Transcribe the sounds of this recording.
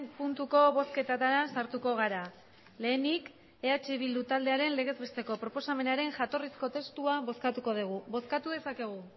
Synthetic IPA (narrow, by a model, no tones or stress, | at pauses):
punt̪uko̞βo̞ske̞t̪at̪aɾasaɾt̪uko̞ɣ̞aɾa | le̞ːnik | e̞at͡ʃeβild̪ut̪ald̪e̞aɾe̞nle̞ɣ̞e̞zβe̞st̪e̞ko̞pɾo̞po̞same̞naɾe̞ŋʝat̪o̞risko̞t̪e̞st̪uaβo̞skat̪uko̞ð̞iɣ̞uβo̞skat̪uðe̞sake̞ɣ̞u